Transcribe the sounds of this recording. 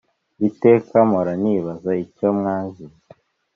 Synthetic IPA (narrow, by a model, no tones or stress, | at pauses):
ite̞ːkamoɾaniβazaicomŋaːɲʒi